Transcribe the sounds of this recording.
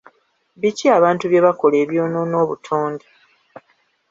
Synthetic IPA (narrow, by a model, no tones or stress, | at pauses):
βiciaβaːntuβje̞βako̞le̞ːβjo̞ːnono̞ːβutʰoːnde